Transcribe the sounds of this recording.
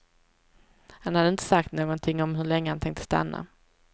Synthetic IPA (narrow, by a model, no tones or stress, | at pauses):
hanhad̪əɪnt̪ə̥sak̚t̪noːɡɔnt̪ʰɪŋːɔmɦɵɭɛŋːəhant̪ʰɛŋk̚t̪ə̥st̪a̰nːa̰